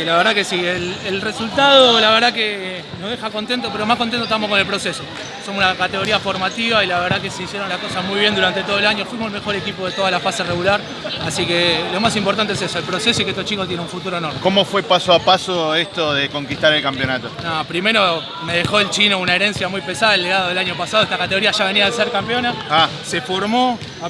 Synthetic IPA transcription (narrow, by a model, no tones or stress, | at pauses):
elaβeɾðakesielelresult̪aðolaβeɾðake | noɦðexakont̪ent̪opeɾomahkont̪ent̪ot̪amokonelpɾo̞seso | somsunakat̪eɣo̞ɾiafoɾmat̪iβailaβeɾðakeseisjeɾonlahko̞sasmujβ̞je̞nd̪uɾant̪et̪oelaɲofwimoelme̞xo̞ɾe̞kipoðet̪o̞ðalafasereɣulaɾ | asikelo̞masimpoɾt̪ant̪esesoelpɾo̞sesoiket̪o̥t͡ʃikot̪̬jennũɱfut̪uɾoenoɾmekomofwe̞pasoapasoest̪oðeko̞ŋkit̪aɾelkampjonat̪onopɾime̞ɾo̞ | me̞ðexo̞elt͡ʃinounaeɾe̞nsjamujpesaðaelːeɣaðoðelaɲopasaðoet̪akat̪eɣo̞ɾiaʒaβ̞e̞niaðeseɾkampjo̞naa | sefoɾmo